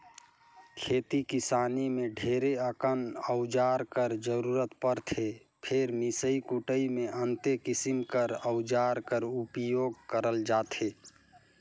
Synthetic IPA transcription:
kʰeːt̪ikɪsaːnimẽɖʱeːɾeəkənəʊd͡ʒaːɾkəɾd͡ʒəɾuːɾət̪pəɾt̪ʰe | pʰeɾmisəikuʈəimẽʔənt̪ekɪsimkəɾəʊd͡ʒaːɾkəɾupjoːɡ̚kəɾəld͡ʒaːt̪ʰeː

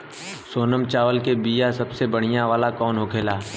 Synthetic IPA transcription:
soːnəmt͡ʃaːʋəlkebiːjasɐbsebəɽ̤ɪjãʋaːlakɔːnɦokʰeːlaː

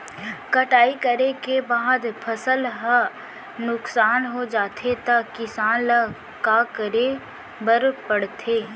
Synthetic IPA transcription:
kɐʈaːikəɾekebaːd̪pʰɐsəlɦa | nʊksaːnɦod͡ʒaːt̪ʰet̪ɐkɪsaːnla | kaːkəɾe | bəɾpəɽt̪ʰeː

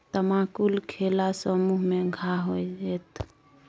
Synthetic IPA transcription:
t̪əmakulkʰelasəmuɦmeɡʱaɦojd͡ʒɛt̪

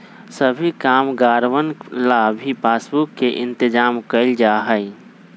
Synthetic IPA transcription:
səbʱikaːmɡaːɾʋənlabʱipaːsbʊkːeʔɪ̃nt̪ɪd͡ʒaːmkəɪld͡ʒaɦəi

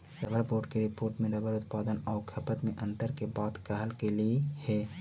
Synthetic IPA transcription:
ɾɐbəɾpoːɖkeɾɪpoːɾʈmẽɾɐbʱəɾʊt̪paːd̪ənɔːɾkʰɐpət̪mẽʔɐ̃nt̪əɾkebaːt̪kɐɦəlkeliehɛː

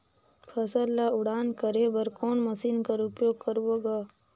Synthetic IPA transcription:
pʰəsəlːaʊɽaːnkəɾebəɾkoːnmɐsiːnkəɾʊpjoːɡ̚kəɾwoɡaː

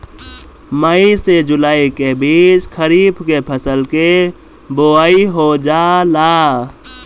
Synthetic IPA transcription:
məised͡ʒʊlaːikebiːt͡ʃkəɾiːbkepʰəsəlke | boaːiɦod͡ʒaːlaː

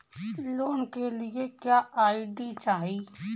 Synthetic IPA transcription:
loːnkelɪekjaːʔaːiɖit͡ʃaːɦiː

